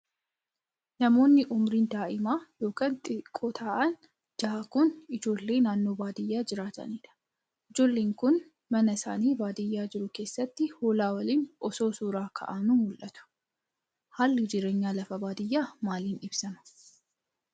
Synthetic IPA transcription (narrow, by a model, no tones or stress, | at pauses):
nɐmo̞ːnːɪʔʊmɾiːnd̪aːʔɪmaːjo̞ːkɐnt̪ʼɪkʼːot̪ʰaːʔɐn | d͡ʒɐːkʊnɪd͡ʒo̞ːlːe̞ːnaːnːo̞ːbaːd̪ɪjːaːd͡ʒɪɾaːt̪ɐ̰neːd̪ɐ̥ | ʔɪd͡ʒo̞ːlːeːŋkʊn | mɐnɐsa̰ːniːbaːd̪ɪjːaːd͡ʒɪɾʊke̞ːsːɐt̪ːɪhoːlaːwɐliːnʔɔso̞ːsuːɾaːkʰɐ̰ʔaːnuːmʊlʔɐt̪ʊ̥ | haːlːɪd͡ʒɪɾe̞ːɲːaːlɐfɐbaːd̪ɪjːaːmaːliːnɪbsɐmɐ̥